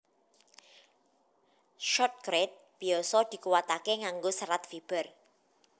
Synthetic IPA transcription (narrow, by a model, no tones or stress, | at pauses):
ʃɔt̪̚kɾet̪̚b̥i̤ɔsɔd̪̥i̤kuwat̪akeŋaŋɡosəɾat̪̚fib̥ə̤r